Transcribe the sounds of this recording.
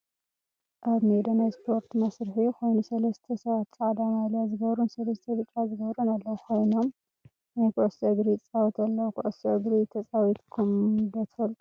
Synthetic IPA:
ʔaβmed̪ɐnajspʰo̞ɾt̪mɐsɾħikʰo̞jnusɐlɐst̪ʰɐsɐβat̪sʼaʕad̪amalijazɨɡɐβɾunsɐlɐst̪ʰɐβɨt͡ʃʼːazɨɡɐβɾunalːɐwukʰo̞jno̞m | najkɐʔosɐɡɾit͡sʼawɐt̪ʰɐlːɐwukʰɨʔosɐɡɾit̪ʰɐt͡sʼawit̪kʰumd̪ɐt̪ʰfɐlt̪ʼu

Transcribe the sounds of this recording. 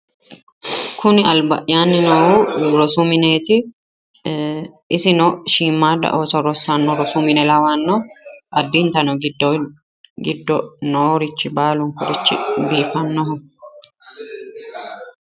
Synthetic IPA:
kʰʊnɪɐlbɐ̰ʔjaːnːɪnoːhuɾɔsumɪneːt̪ɪ | ʔɪsɪnɔʃiːmːaːd̪ɐ̰ʔoːsɔɾɔsanːɔɾɔsumɪnɛlɐwaːnːɔɐd̪ːint̪ɐnɔɡd | ɡɪd̪ːɔnoːɾɪt͡ʃːɪbaːlʊŋkɔɾɪt͡ʃːɪ̰biːfɐnːɔɦʊ

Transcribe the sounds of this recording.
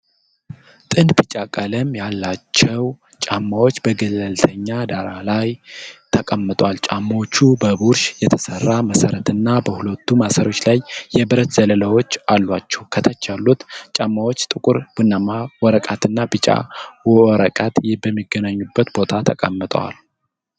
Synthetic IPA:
t̪ʼɨnbɨt͡ʃʼakʼələmjalːat͡ʃːɛw | t͡ʃʼamːawo̞t͡ʃːbəɡələlt̪ʰəɲːad̪aɾalajt̪ʰəkʼamːɨt̪ʼwalt͡ʃʼamːot͡ʃːubəβuɾʃjɛt̪ʰəsərːaməsəɾət̪ʰɨnːabəhulət̪ʰːumasəɾo̞t͡ʃːlajːɛbɨɾət̪z̥ələlawo̞t͡ʃːalːwat͡ʃːɛwkʰət̪ʰət͡ʃːalːut̪t͡ʃʼamːawo̞t͡ʃːt̪ʼɨkʼuɾb̥unːamawɔɾəkʼat̪ʰɨnːabɨt͡ʃʼa̰wɾəkʼat̪jɛbəmːiɡːənaɲːubːət̪bo̞t̪ʰat̪ʰəkʼamːɨt̪ʼwa̰l

